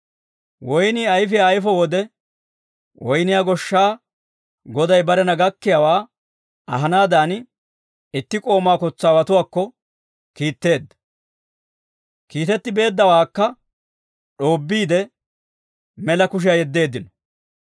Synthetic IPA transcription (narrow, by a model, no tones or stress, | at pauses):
wɔjniːɐjfɪjaːjfɔwɔd̪ɛ | wɔjnɪjaːɡɔʃːaː | ɡɔd̪ɐjbɐɾɛnɐɡɐkːɪjawaː | ɐɦɐnaːd̪aːn | ɪt̪ːɪkʼo̞ːmaːkɔt͡sːaːwɐt̪ʊwaːkːɔ | kiːt̪ːe̞ːd̪ːɐ̥ | kiːt̪ɛt̪ːɪbe̞ːd̪ːɐwaːkːɐ | ɗo̞ːbːiːd̪ɛ | mɛlɐkʊʃ̬ɪjɐjɛd̪ːe̞ːd̪ːɪnɔ̥